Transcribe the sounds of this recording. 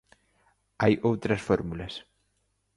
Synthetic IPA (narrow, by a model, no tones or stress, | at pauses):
ajʔowt̪ɾɐsfɔɾmulɐs